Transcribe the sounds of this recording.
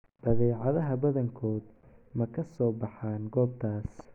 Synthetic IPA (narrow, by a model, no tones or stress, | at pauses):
b̥ɐðɛːʕɑðɐɦɐbɐðɐŋkʰɔːd̪ | mɐkʰɐsɔːbɑħaːnɡɔːb̚t̪ʰaːs